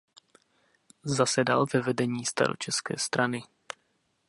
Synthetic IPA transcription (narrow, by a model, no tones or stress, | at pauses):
zasɛdalvɛvɛdɛɲiːst̪a̰ɾo̰t͡ʃɛskɛ̰ːst̪ɾanɪ